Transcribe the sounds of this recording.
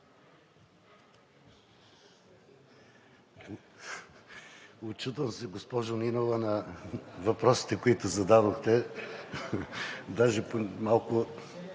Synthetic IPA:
ot͡ʃut̪vɐmsɛɡospɔʒʊninovɐnɐvɐpɾɔsi̥t̪ɛkoit̪ʊzɐd̪ad̪oxt̪ɛ | d̪aʒɛpomalˠkʊ

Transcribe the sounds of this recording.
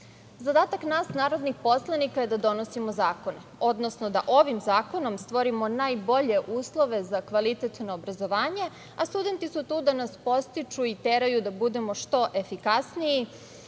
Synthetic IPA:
zad̪aːt̪aknaːsnaːɾo̞d̪nixpo̞slˠanikaje̞d̪ad̪o̞no̞simo̞zaːko̞neo̞d̪nosno̞d̪aʔo̞ʋimzaːko̞no̞mst̪ʋo̞ɾimo̞najbo̞ʎe̞ʔuːslˠo̞ʋe̞zakʋalit̪et̪noːbɾazo̞ʋaːɲe̞ | ast̪ud̪e̞nt̪isut̪uːd̪anaspo̞st̪it͡ʃuit̪eɾajud̪abud̪e̞mo̞ʃt̪o̞ʔe̞fikasniji

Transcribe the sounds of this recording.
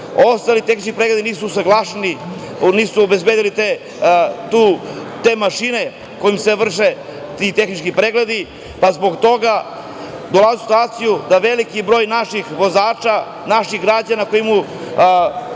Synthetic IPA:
o̞st̪alit̪e̞xni̥t͡ʃkipɾeɡle̞d̪iniːsusaɡlˠaʃeni | niːsuobezbed̪ilit̪e | t̪ut̪e̞maʃine̞ | ko̞jimseʋr̩ʃet̪it̪e̞xnit͡ʃkipɾeɡle̞d̪i | pazbo̞ɡt̪o̞ɡa | d̪o̞lˠazusi̥t̪uaːt̪sijud̪aʋe̞likibɾo̞ːjnaʃixʋo̞zaːt͡ʃa | naʃixɡɾad͡ʑanako̞jimu

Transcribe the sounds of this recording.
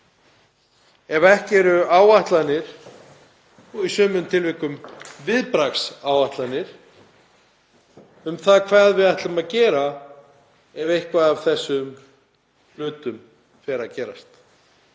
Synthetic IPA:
ɛvɛhcɪɛɾʏaːwaht̪lanɪɾ̥ | ɔɣisœːmʏmt̪ʰɪlvihkʏmvɪðpɾaksaːwaht̪lanɪɾ̥ | ʏmθaðkʰvaːðvɪðaht̪lʏmaðcɛːɾa | ɛvejhkvaðav̥θɛsːʏm | l̥ʏːt̪ʏm | fɛːɾaðcɛːɾast̪

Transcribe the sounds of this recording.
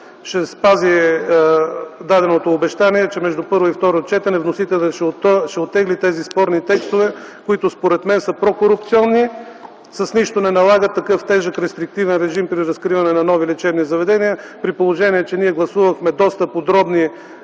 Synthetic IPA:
ʃɛspazi | d̪ad̪ɛnot̪oːbɛʃt̪aniɛt͡ʃɛmɛʒd̪upɤɾvoift̪ɔɾot͡ʃɛt̪ɛnɛvnosit̪ɛlʲɛʃɛot̪ːɛɡlit̪ɛzispɔɾnit̪ɛkst̪ovɛkoit̪ʊspoɾɛt̪mɛnsəpɾokoɾʊpt̪siɔnːi | sɐsniʃt̪onɛnɐlˠaɡət̪ːɐkɤft̪ɛʒəkɾɛst̪ɾik̚t̪ivɛnɾɛʒimpɾiɾɐskɾivɐnɛnɐnɔvilɛt͡ʃɛbnizɐvɛd̪ɛniəpɾipolˠoʒɛniɛt͡ʃɛniɛɡlˠɐsuvɐxmɛd̪ɔst̪ɐpod̪ɾɔbni

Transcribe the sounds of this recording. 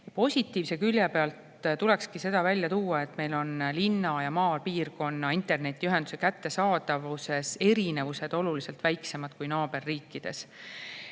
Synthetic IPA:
jɑpo̞sʲit̪ːˑiːvse̞kylʲjepe̞ɑlt̪ | t̪ule̞kskise̞d̪ɑvælʲjɑt̪uːɑe̞t̪ːˑme̞jlo̞nlinːɑjɑmɑːlpiːrko̞nːɑint̪e̞rne̞t̪ʲːˑiyɦe̞nd̪u̥se̞kæt̪ːe̞sɑːd̪̥ɑvuse̞se̞ɾine̞vuse̞d̪̥o̞lulise̞lt̪væjkse̞mɑd̪̥kujnɑːb̥e̞rːiːkːid̪̥e̞s

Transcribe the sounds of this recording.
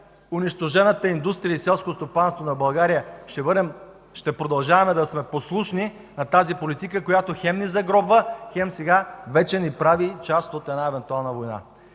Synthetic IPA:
ʊniʃt̪oʒɛnət̪əind̪ust̪ɾijəisɛlˠskost̪opanst̪vonɐbɐlˠɡaɾijəʃbɾɛm | ʃt̪ɛpɾod̪ɐlˠʒavɐmɛd̪ɐsmɛposlˠuʃni | nɐt̪azipolit̪ikəkojat̪oxɛmnizɐɡɾɔbvəxɛmsɛɡavɛt͡ʃɛnipɾavit͡ʃast̪ot̪ɛd̪naɛvɛnt̪ualˠnəvojna̰

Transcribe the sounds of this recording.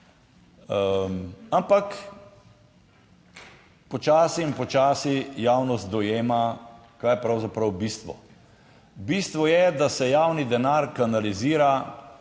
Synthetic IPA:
ampak | pɔt͡ʃaːsiːnpɔt͡ʃaːsijaːwnɔst̪̚d̪ɔjeːma | kaːjɛpɾawzapɾɐwbiːst̪ʋɔ̰ | bist̪ʋɔjɛd̪asɛjaːwnid̪ɛnaːɾkanaliziːɾa

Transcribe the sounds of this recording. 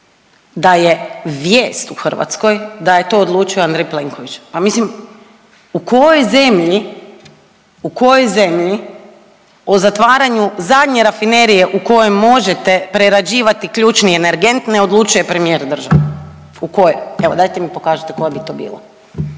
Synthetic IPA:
d̪ajeʋjeːst̪uxr̩ʋa̰t̪sko̞jd̪ajet̪o̞ːd̪lˠuːt͡ʃijoand̪ɾejple̞ŋkoʋit͡ʃpamislim | uko̞jojze̞mʎi | uko̞jo̞jze̞mʎi | ozat̪ʋaːɾaɲuzad̪ɲe̞ɾafine̞ɾije̞ʔuko̞jemo̞ʒet̪epɾeɾad͡ʒiːʋat̪ikʎuːt͡ʃnieneɾɡe̞nt̪neo̞d̪lˠuːt͡ʃuje̞pɾe̞mije̞ːɾd̪r̩ʒa̰ʋe | uko̞joeʋo̞d̪ajt̪emipo̞kaːʒɪt̪e̥ko̞jabit̪o̞ːbḭːla̰

